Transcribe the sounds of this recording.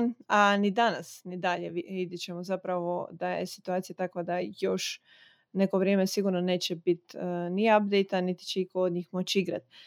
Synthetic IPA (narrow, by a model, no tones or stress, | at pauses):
nanid̪anasnid̪aʎeid̪jet͡ɕe̞mozapɾaʋo̞̰d̪ajḛsi̥t̪uaːt̪sijat̪akʋad̪ajoʃ | ne̞ko̞ʋɾjeːmesiɡuɾnone̞ːt͡ɕebit̪niab̚d̪ejt̪anit̪i̥t͡ʃeikood̪ɲiːxmot͡ɕiɡɾa̰t̪